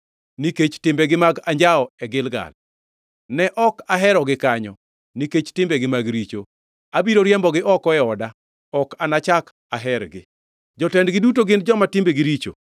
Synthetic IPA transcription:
niket͡ʃtɪmbɛɡɪmaɡaɲd͡ʒaɔɛɡɪlɡa̰l | nɛʔɔkaɦɛɾɔɡɪkaɲɔ | niket͡ʃtɪmbeɡɪmaɡɾit͡ʃo | abiɾoɾjɛmbɔɡɪʔɔkɔɛɔda | ɔkanat͡ʃak | aɦɛɾɡɪ̰ | d͡ʒɔtɛndɡɪdutoɡɪnd͡ʒɔmatɪmbeɡiɾit͡ʃo̰

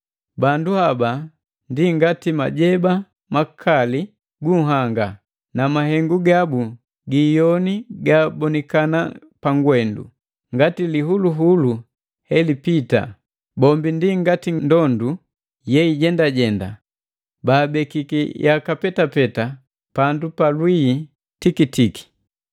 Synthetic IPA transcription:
banduhaba | ndiŋɡatima̰ɟɛba | makʰali | ɡuɦaŋɡa | namaɦɛŋɡuɡabu | ɡijɔniɡaːbɔnɛkana̰ | paŋɡwɛndṵ | ŋɡatiliɦuluɦulu | hɛlipita̰ | bɔmbindiŋɡatindɔndu | jɛiɟɛndaɟɛnda | baːbɛkikḭjʔakapɛtapɛta | pandupalwiː | tikitiki̥

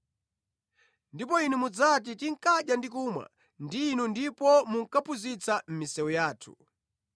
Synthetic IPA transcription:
ndipɔinumud͡zat̬itiŋkaɗjandikumwa̰ | ndiːnundipɔmuŋ̩kapʰuzit͡sam̩misɛwujaːtʰu̥

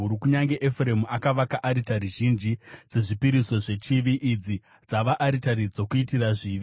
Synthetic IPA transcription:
uɾukuɲaŋɡe̞ʔefuremuakaʋakaʔaɾitaɾiʒind͡ʒid͡ze̞ʐipiɾiso̞ʐe̞t͡ʃiʋiʔid͡zi | d͡zaʋaʔːɾitaɾid͡zo̞kuitiraʐiːʋi

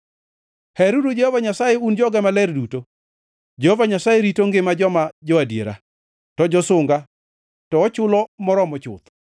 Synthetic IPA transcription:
hɛɾudod͡ʒehovaɲasajeund͡ʒɔɡɛmalɛrduto | d͡ʒehovaɲasajeɾitoŋɡɪmad͡ʒɔmad͡ʒɔadjḛɾa̰ | tɔd͡ʒɔsʊŋɡa | tɔːt͡ʃʊlɔmɔɾɔmɔt͡ʃʊ̰t̪

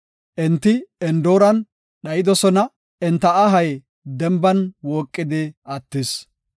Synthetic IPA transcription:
ʔɪnt̪ːɪɛnd̪o̞ːɾɐn | ɗɐjɪd̪ɔsɔnɐ | ɛnt̪ːɐɐɦɐj | d̪ɛmbɐnwoːkʼːɪd̪ɪɐt̪ːɪs

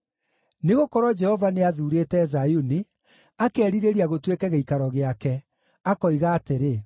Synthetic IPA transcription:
neɣokɔɾwɔd͡ʒɛhɔvaneaðuːɾetɛːzajuni | akɛːɾiɾeɾiaɣotwekɛɣeikaɾɔɣeakɛ | akɔiɣaːteɾe

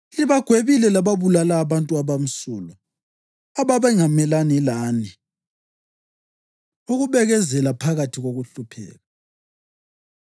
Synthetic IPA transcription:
iliβaɡ̥ʱweβilɛlaβaβulalaːβantʼuaβam̩sulɔ | aβaβɛŋamɛlanilaːni | uɣuβɛɣɛzɛlapʰaɣatʰiɣoɣuɬupʰɛ̰ːɣa

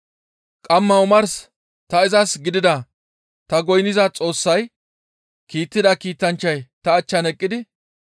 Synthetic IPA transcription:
kʼɐmːɐʊmɐɾs | t̪ɐɪzɐsɡɪd̪ɪd̪ɐ | t̪ɐɡɔjnɪzɐt͡sʼo̞ːsːɐj | kiːt̪ːɪd̪ɐkiːt̪ːɐnt͡ʃːɐjt̪ɐːt͡ʃːɐnɛkʼːɪd̪ɪ

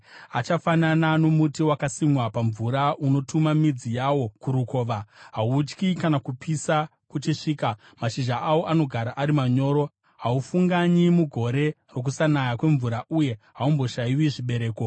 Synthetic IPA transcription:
at͡ʃafananano̞mutiwakasimwapaɱvuɾauno̞tʰumamid͡zijawo̞kuɾuko̞ːʋaɦaut͡ʃkikanakupʰisa | kut͡ʃiʂiːka | maʃiʒaʔawo̞ʔano̞ɡʱaɾaʔaɾimaɲo̞ːɾo̞ | ɦaufuŋɡaɲimuɡʱo̞ɾe̞ | ro̞k̬usanajakwe̞ɱvuɾaʔuje̞ɦaumbo̞ʃajiwiʐiɓe̞ɾe̞ːko̞

